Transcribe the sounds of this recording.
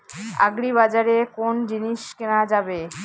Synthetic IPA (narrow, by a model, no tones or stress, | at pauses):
a̰ɡɾiβad͡ʑaɾekond͡ʑiniʃkenad͡ʑabe